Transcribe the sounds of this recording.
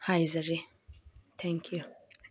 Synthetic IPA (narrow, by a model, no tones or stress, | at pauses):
hajzɐɾi | t̪ʰɛ̃ŋkʰju